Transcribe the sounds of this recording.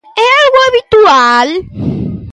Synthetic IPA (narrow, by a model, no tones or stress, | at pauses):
ɛalɣoaβit̪ual